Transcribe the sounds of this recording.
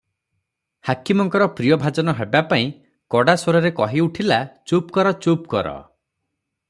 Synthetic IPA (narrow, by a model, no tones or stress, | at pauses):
hakimɔŋkɔɾɔpɾijɔbʱad͡ʒɔnɔɦebapaĩ | kɔɽasoɾɔɾekɔɦiuʈʰilat͡ʃop̚kɔɾɔt͡ʃop̚kɔɾɔ̰